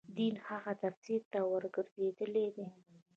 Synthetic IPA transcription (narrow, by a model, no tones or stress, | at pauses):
d̪inhaɣat̪afsiɾt̪awəɾɡəɾzed̪əled̪e